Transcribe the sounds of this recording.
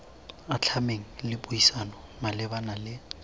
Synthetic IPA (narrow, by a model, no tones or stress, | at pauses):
at͡ɬʰameŋ̩lɪbʊisanɔmalɪbanalɪ